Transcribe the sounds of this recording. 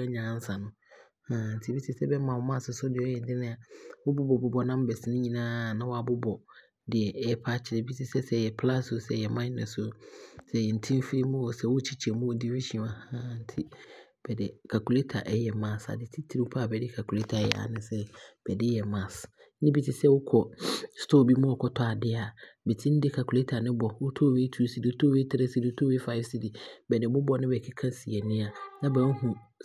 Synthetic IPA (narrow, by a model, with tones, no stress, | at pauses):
ɛ˦ɲã˨˦n̩˦sã˨nʊ̃˦ | hã˨n̩˨tʰi˨˦bi˦tʰi˦sɛ˦bɛ˦mã˨wɔ˨˦mã˦˨sʊ˨sʊ˦dɪ˨ɔ˦jɛ˨dɪ˦nɪ̃˦a˨wʊ˦bʊ˦bɔ˨bʊ˨bɔ˨nã˦m˦bɛ˨sɪ˦nɪ̃˦ɲĩ˨nãː˦˨nã˦wɔ˦a˨bʊ˦bɔ˨ | dɪ˨ɛ˨ɛ˦pʰa˦t͡ɕʰɪ˨ɾɛ˨bi˦tʰi˨sɛ˦sɛ˦˨jɛ˨pʰla˦sʊ˨sɛ˦˨jɛ˨mã˦ɪ˦nɛ̰˨sʊ˦sɛ˦˨jɛ˨n̩˨tʰĩ˦m˦fi˦ɾi˦mũ˦wɔ˨sɛ˦wʊ˦t͡ɕʰi˦t͡ɕʰɛ˨mũ˦wo˨di˦wi˦ʃi˦˨ɔ̃˨a˨hã˦n̩˦tʰi˦ | b̥ɛ˨dɪ˨kʰa˨kʰu˨le˦tʰa˨ʔɛ˦jɛ˨mã˨sa̰˨dɪ˨tʰɪ˦tʰi˦ɾi˦pʰa˦˨bɛ˨dɪ˦kʰa˨kʰu˨le˦tʰa˨ɛ˦jɛ̰˨a̰˨nɪ̃˦sɛ˦b̥ɛ˨dɪ˦jɛ˨mã˨s̩˦ | nɪ̃˦bi˦tʰɪ˨sɛ˦wʊ˦kʰɔ˨stʰoː˦˨bi˦mʊ̃˦ɔ˨kʰɔ˦tʰɔ˦a˨dɪ˦a˨bɛ˨tʰĩ˦n̩˦dɪ˦kʰa˨kʰu˨le˦tʰa˨nɪ̃˦bɔ˨wʊ˦tʰoː˦˨we˦tʰu˦si˨di˨ʊ˦tʰoː˦we˦tʰɪ˦ɾɛ˦si˨di˨˦ʊ˦tʰo˦we˦fa˦ɪ˦fsi˨di˨bɛ˨nɪ̃˨bʊ˦bɔ˦nɪ̃˦bɛ˨kʰɪ˦kʰã˦si˨ɛ˨nɪ̃˦a˨nã˦bɛ̃˨˦n̩˦hũ˨